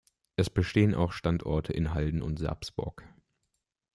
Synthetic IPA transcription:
ʔɛsb̥əʃteːənʔa̰ʊxʃtantʔɔ̰ɐtʰəʔɪnɦaldn̩ʊ̰ntz̥ɛ̰ɐpsb̥ʊ̰ɐk

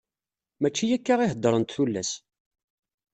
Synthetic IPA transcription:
mæt͡ʃːijækːaʁiɦəd̪ːɾˤənt̪θulːæ̰s

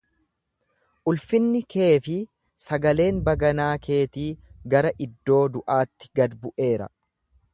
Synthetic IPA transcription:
ʔʊlfɪnːɪkʰe̞ːfɪ | sɐɡɐle̞ːnbɐɡɐnaːkʰe̞ːt̪iːɡɐɾɐʔɪd̪ːo̞ːd̪ʊʔaːt̪ːɪ̥ɡɐd̪bʊʔe̞ːɾɐ̰

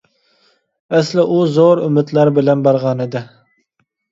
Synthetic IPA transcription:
ɛslɪʔuzoɾymɪt̪læɾbɪlɛnbɑɾʁɑnɨd̪ɪ

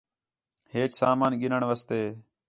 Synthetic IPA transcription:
heːt͡ʃsaːmaːnɡɪnəɳʋəst̪eː

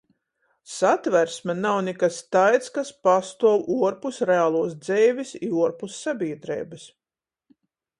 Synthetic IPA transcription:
sat̪væɾsmɛnawnʲɛkast̪ajt̪skaspast̪uɔwuɔɾpusɾeaːlˠuɔsd̪zɛːvʲisiuɔɾpusːabʲiɛd̪ɾɛ̰ːbɨs

